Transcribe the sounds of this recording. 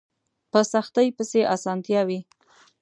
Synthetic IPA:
pəsaxt̪əjpəseʔasɑnt̪jɑwi

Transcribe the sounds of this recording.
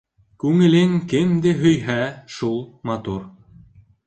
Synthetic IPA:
kʉŋɘ̆lɘŋkɘmd̪ɘɦɵ̆jɦæʃulˠmɑt̪uɾ

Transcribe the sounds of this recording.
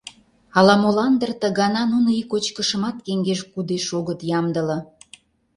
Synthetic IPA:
ɑlɑmolɑnd̪ərt̪ə̆ɣɑnɑnunoikot͡ɕkəʃə̆mɑt̪keŋɡeʃkud̪eʃoɣət̪jɑmd̪ə̆lɤ̆

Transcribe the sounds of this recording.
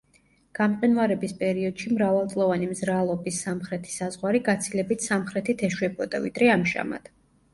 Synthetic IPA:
ɡ̥amqʼinvaɾɛbispʼɛɾiɔd̪̥ʃimɾavalˠt̪ʼlˠɔvanimzɾalˠɔbisamχɾɛt̪ʰi̥sazʁwaɾiɡat̪sʰilɛbit̪ʰsamχɾɛt̪ʰit̪ʰɛʃwɛbɔd̪avḭd̪̥ɾɛamʒa̰ma̰d̪̥

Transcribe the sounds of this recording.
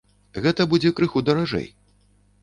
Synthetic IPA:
ɣɛt̪ɐbud͡zʲɛkɾɨxud̪ɐɾaʐɛ̰j

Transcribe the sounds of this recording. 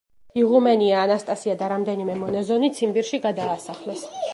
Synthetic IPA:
iʁumɛniaːnast̪ʼasiad̪aɾamd̪ɛnimɛmɔnɛzɔnit̪sʰimbiɾʃiɡad̪aːsaχlɛs

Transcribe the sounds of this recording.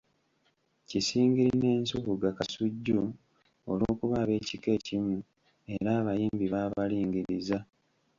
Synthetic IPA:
cisiːŋɡiɾine̞ːnsukuɡakasuɟːu | o̰loːkuβaːβe̞ːcike̞ːcimu | e̞ɾaːβajiːmbiβaːβaliːŋɡiɾiza

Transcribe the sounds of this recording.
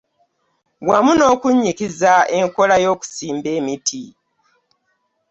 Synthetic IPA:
wamuno̞ːkuɲːikizae̞ŋko̞lajo̞ːku̥siːmbe̞ːmitʰi

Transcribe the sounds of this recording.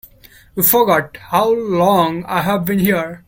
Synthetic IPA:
ʋiːfɔɡɔʈhaʊlɔ̃ŋa̰ɪɦæʋbĩnhiəɾ

